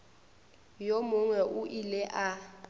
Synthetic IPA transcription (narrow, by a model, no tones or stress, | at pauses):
jomʊŋwɛʔʊʔilɛʔa